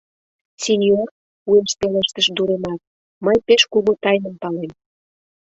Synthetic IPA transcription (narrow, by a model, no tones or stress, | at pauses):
sinʲjor | ueʃpeleʃt̪əʃd̪uɾenɑt̪̚ | məjpeʃkumut̪ɑjnəmpɑlem